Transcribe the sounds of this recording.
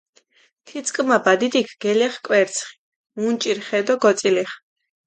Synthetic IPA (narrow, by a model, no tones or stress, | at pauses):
t̪ʰit̪sʰʼkʼmabad̪id̪ikʰɡ̥ɛlɛχkʼwɛɾt̪sʰχi̥ | unt͡ʃʼiɾχɛd̪ɔɡɔt̪sʼiliχ